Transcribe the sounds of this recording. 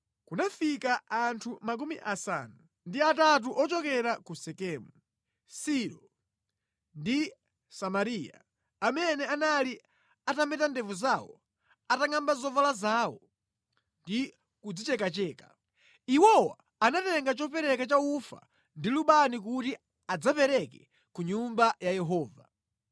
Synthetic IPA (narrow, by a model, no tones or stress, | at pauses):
kunafikaantʰumak̬umiʔasa̰nu | ndiatat̬uʔɔt͡ʃɔkɛɾakusɛkɛːmu | siɾɔ | ndi | samaɾia̰ | amɛnɛanali | atamɛtandɛvuzawɔ̰ | ataŋambazɔvalazaːwɔ | ndi | kud͡zit͡ʃɛkat͡ʃɛːkḁ | iwɔwa̰ː | natɛŋɡat͡ʃɔpɛɾɛkat͡ʃaufa̰ | ndiluɓanik̬uti | ad͡zapɛɾɛkɛ | kuɲumbajajɛɦɔːva